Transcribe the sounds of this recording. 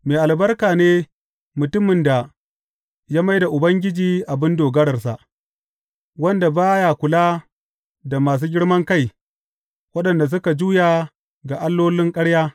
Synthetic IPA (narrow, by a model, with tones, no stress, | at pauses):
meː˨ʔa˨lbɐ˦rkaː˨neː˦ | mʊ˨tʊ˦mɪ˨nda˨ | jaː˦ma˦jda˨ʔʊ˨bɐ˦ŋɡʲɪ˦d͡ʒiː˨ʔa˨bɪ˦ndoː˨ɡɐ˦ɽɐ˨rsa̰˨ʔ | wɐ˦nda˨baː˦jaː˨kʷʊ˨laː˦ | da˨maː˨s̬uː˦ɡʲɪ˦ɽmɐ˦ŋka˦˨j | wɐ˦ɗɐ˨nda˨s̬ʊ˦ka˨d͡ʒuː˦ja˨ | ɡa˨ʔa˦lːoː˦lɪ˦ŋkʼɐ˦ɽjaː˦